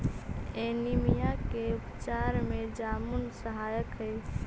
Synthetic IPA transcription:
enimijakeupt͡ʃaɾmed͡ʒamunsəɦajəkɦəj

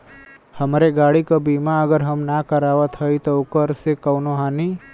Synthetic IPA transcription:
həmɾeɡaːɽikabiːmaəɡəɾɦəmnakəɾaːʋət̪ʰɦəit̪oʊkəɾsekəʊnoɦaːni

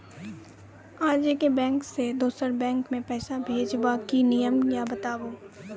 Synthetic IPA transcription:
aːd͡ʒekebɛ̃ːŋksed̪oːsəɾbɛ̃ːŋkmẽpɛːsabʱeːd͡ʒbakinijəmjabɐt̪aːboː

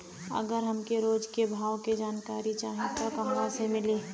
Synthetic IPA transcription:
ɐ̰ɡəɾɦɐmkeɾoːd͡ʒkebʱaːwked͡ʒaːnkaːɾit͡ʃaːɦẽt̪okɐɦʋãsemɪliː

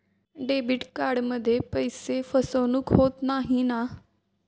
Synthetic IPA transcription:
ɖeːbɪʈkaːɖməd̪ʱepəisefʰəsoːnʊkɦoːt̪naːɦĩːnaː

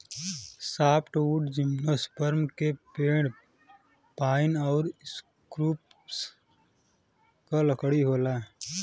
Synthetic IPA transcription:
saːpʈuːʈd͡ʒɪmnospəɾmkepeːɽ | paːɪnɔːɾs | kɾuːp | s | kaləkɽiɦoːlaː

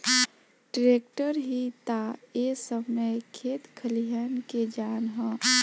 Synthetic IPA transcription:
ɖɪɾeːk̚ʈəɾɦit̪aesəbməjkʰeːt̪kʰəlijanked͡ʒaːnɦã

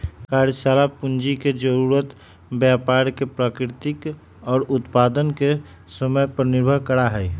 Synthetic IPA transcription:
kaɾjsalapund͡ʒiked͡ʒəɾuɾət̪ | bjapaɾkepɾakɾɪt̪ɪk | ɔːɾʊt̪pad̪ənke | səməjpɾənɪɾbʱəɦkəɾaɦɛɛ

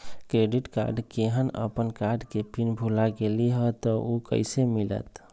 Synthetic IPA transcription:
kɾeɖiʈka̰ɾɖkeɦənə̰pənkaɾɖkepinbʱulaɡeliɦət̪ɔʔokə̰ɪsemilə̰t̪

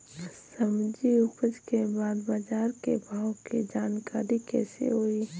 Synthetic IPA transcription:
səmd͡ʒiʊpəd͡ʒkebaːd̪baːd͡ʒaːɾkebʱaːwkid͡ʒaːnkaːɾikɛ̰ːsḛɦoːiː

